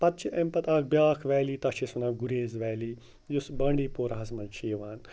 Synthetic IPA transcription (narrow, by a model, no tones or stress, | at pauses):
pɐt̪t͡ʃʰiʔɐmpɐt̪aːk̚ʰbʲjaːkʰʋɛːliːt̪ɐʃesunɐɡuɾeːzʋɛːliː | jusbɐɳɖiːpoːɾɐɦɐsmɐnt͡ʃʰeːʋaːn